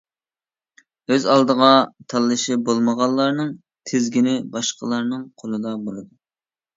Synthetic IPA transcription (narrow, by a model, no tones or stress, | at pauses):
øzɑlˠd̪əʁɑt̪ʰɑlˠːɨʃɪbolˠməʁɑlˠːɑɾnɨŋ | t̪ʰɪzɡʲinɪbɑʃqəlˠɑɾnɨŋqʰolˠɨd̪ɑbolˠɨd̪u